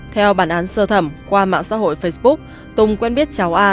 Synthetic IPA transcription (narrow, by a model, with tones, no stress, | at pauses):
t̪ʰɛ˧wɓaː˧˩nʔaː˨˦nsəː˧t̪ʰə˧˩mkwaː˧ma̰ː˧˨ŋsa̰ː˧˥ɦo̰˧˨jfə˧jsɓʊ˦˥k̚ | t̪ʊ˨˧˩ŋ͡mkwɛ˧nɓi˦˥ət̚t͡ɕa˨˦wʔaː˧